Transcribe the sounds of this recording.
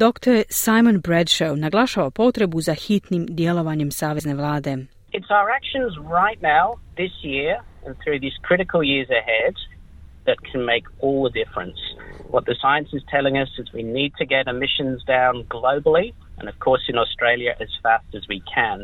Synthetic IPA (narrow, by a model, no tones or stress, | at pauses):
d̪okt̪oɾsajmonbɾɛd̪ʃownaɡlˠaʃaʋapo̞t̪ɾebuzaxit̪nimd̪jelo̞ʋaɲemsaːʋezne̞ʋlˠaːd̪e̞ | ɨtsaʊə˞ækʃɨ̃nzɹaɪtⁿnaʊðɪsjɪɹɨ̃nθɹʉðiz̥kʰɹ̥ɪɾɨkʰl̩ˠjɪɹzɨhɛd̪̚ | ðɨt̚kʰn̩meɪkɔlˠðədɪfɹɨ̰̃nswʌt̪̚ðɨsaɪɨ̃nsɨz̥tʰɛlˠɪ̃ŋʌsɨzwinid̚tʰɨɡɛɾɨmɪʃɨ̃nzdãʊ̃nɡloʊbl̩ˠi | ɨ̰̃nʌv̥kʰɔɹsɨ̃nɔstɹ̥eɪlˠjɨʔɨz̥fæstɨzwikʰɨ̃n